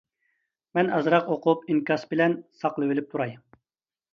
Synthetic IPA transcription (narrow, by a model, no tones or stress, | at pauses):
mɛnɑzɾɑqoqʰʊpiŋkʰʲɑsbɪlɛnsɑqlˠɨwɪlɪp̚t̪ʰuɾɑj